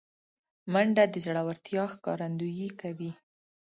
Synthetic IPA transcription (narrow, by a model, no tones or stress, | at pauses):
maɳɖad̪əzɽawaɾt̪jɑxkɑ̰ɾand̪ujikawi